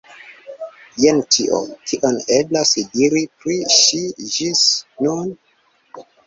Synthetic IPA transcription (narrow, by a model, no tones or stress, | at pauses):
jentʰiʔo̰kʰiʔoneblasdiɾipɾiʃid͡ʒisnun